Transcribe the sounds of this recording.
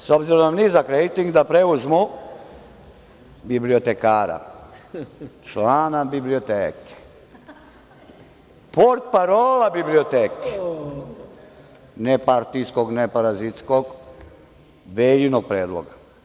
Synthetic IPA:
sobziɾonamnizakɾejt̪iŋɡd̪apɾeuzmu | bibliot̪ekaːɾa̰ | t͡ʃlaːnabibliot̪eːke̥ | poɾt̪̚paɾoːlabibliot̪eːk | nepaɾt̪iskoɡnepaɾazit̪skoɡ | ʋelinoɡ̚pɾeːd̪lˠo̰ɡa

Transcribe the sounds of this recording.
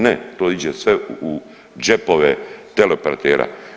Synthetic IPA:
net̪oːid͡ʑesʋeu | d͡ʒepoʋet̪elepeɾat̪eːɾʔa̰

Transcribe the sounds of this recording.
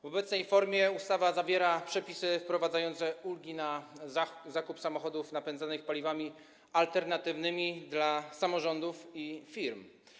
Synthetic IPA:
vɔbɛt̪snɛjfɔɾmʲjɛust̪avazavʲjɛɾapʂɛpʲisɘfpɾɔvad̪zajɔnt̪sɛulɡʲina | zakupsamɔxɔd̪ufnapɛnzanɘxpalʲivamʲi | alt̪ɛɾnat̪ɘvnɘmʲid̪lasamɔʐɔnd̪ufifʲiɾm

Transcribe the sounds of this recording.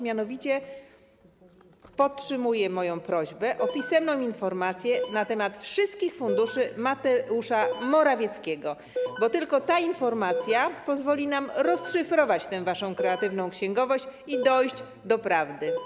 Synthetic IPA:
mʲjanɔvʲit͡ɕɛ | pɔtʂɘmujɛmɔjɔ̃w̃pɾɔʑbɛʔɔpʲisɛmnɔ̃w̃infɔɾmat̪sʲjɛnat̪ɛmat̪fʂɘst̪kʲixfund̪uʂɘmat̪ɛuʂamɔɾavʲjɛt̪skʲɛɡɔ | bɔt̪ɘlkɔt̪ainfɔɾmat̪sʲjapɔzvɔlʲinamɾɔsʂɘfɾɔvat͡ɕt̪ɛw̃vaʂɔ̃w̃kɾɛat̪ɘvnɔ̃w̃kɕɛ̃ŋɡɔvɔɕt͡ɕid̪ɔjʑd͡ʑ | d̪ɔpɾavd̪ɘ

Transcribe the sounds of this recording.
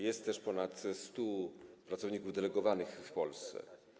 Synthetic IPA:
jɛst̪ːɛʂpɔnat̪st̪upɾat̪sɔvɲikuvd̪ɛlɛɡɔvanɘxfpɔlst̪sɛ̰

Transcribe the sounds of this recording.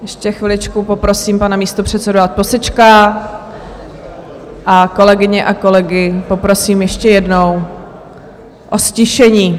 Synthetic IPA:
jɛʃcɛxvɪlɪt͡ʃkupo̞pɾo̞siːmpanamiːst̪opr̥ɛt̪sɛdoat̪̚posɛt͡ʃka | ʔako̞lɛɡɪɲɛʔako̞lɛɡɪpo̞pɾo̞siːmjɛʃcɛjɛdno̞w | ʔosciʃɛɲiː

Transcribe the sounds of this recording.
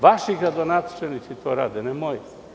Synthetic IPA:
vaʃiɡɾad̪onat̪t͡ʃɛnit̪sit̪oɾa̰d̪ɛnɛmoj

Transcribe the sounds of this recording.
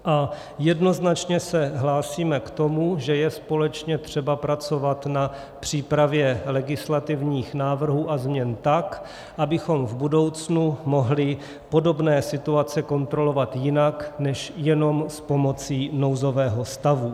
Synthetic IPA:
ʔa | jɛdno̞znat͡ʃɲɛsɛɦlaːsiːmɛkt̪o̞muʒɛjɛspo̞lɛt͡ʃɲɛt̪r̝̥ɛbapɾat͡so̞vat̪na | pr̝̥iːpɾavjɛlɛɡɪslat̪ɪvɲiːxnaːvr̩ɦuːʔazmɲɛnt̪ak | ʔabɪxo̞mvbudo̞wt͡snumo̞ɦlɪ | po̞do̞bnɛːsɪt̪uat͡sɛko̞nt̪ɾolo̞vat̪jɪnaknɛʃjɛno̞mspo̞mo̞t͡siːno̞wzo̞vɛːɦo̞st̪avu

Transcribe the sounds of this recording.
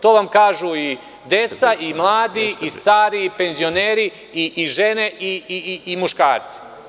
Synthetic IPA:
t̪oʋamkaːʒui | d̪e̞t̪saʔimlˠaːd̪iist̪aːɾipe̞nzioneːɾi | iʔiʒene̞ʔiiimuʃkaːɾt̪si̥

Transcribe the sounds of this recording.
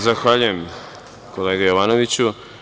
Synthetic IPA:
zaxʋaːʎujem | koleːɡejoʋaːno̞ʋit͡ɕu

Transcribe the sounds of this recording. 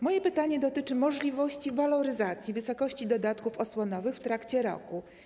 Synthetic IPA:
mɔjɛpɘt̪aɲɛd̪ɔt̪ɘt͡ʂɘmɔʐlʲivɔɕt͡ɕivalɔɾɘzat̪sʲjivɘsɔkɔɕt͡ɕid̪ɔd̪at̪kufɔswɔnɔvɘxft̪ɾakt͡ɕɛɾɔ̰ku

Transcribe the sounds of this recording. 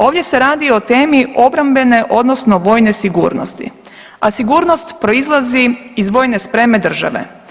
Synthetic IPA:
o̞ːʋd̪ʲje̞se̞ɾaːd̪io̞t̪e̞ːmio̞bɾambe̞ne̞ʔo̞d̪nosno̞ʋo̞ːjne̞siɡṵːɾno̰st̪ḭ | asiɡuːɾno̞st̪pɾo̞izlˠaziizʋo̞ːjne̞spɾe̞me̞d̪r̩ʒa̰ʋe̞̰

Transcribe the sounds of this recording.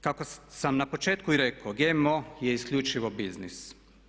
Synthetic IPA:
kakosamnapot͡ʃeːt̪kuiɾekoɡemojɛiskʎʲuːt͡ʃiʋobiznis

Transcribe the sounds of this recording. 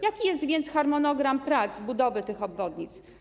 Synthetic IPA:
jakʲijɛst̪vʲjɛnt̪sxaɾmɔnɔɡɾampɾat̪sbud̪ɔvɘt̪ɘxɔbvɔd̪ɲit̪s

